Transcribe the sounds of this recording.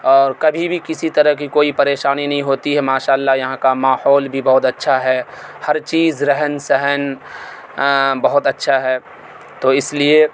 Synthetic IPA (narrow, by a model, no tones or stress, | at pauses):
ɔːɾkɐbʱibʱikɪsit̪ɐɾəɦk̬ikoːipɐɾeːʃaːninɐɦĩɦoːt̪iɦɛmaːʃaːəlːajɐɦãkamaːhɔːlbʱibɐɦʊt̪ɐtːʃʰaɦɛːhɐɾt͡ʃiːzɾɛɦənsɛɦən | bɐɦʊt̪ɐtːʃʰaɦɛː | t̪oːɪslie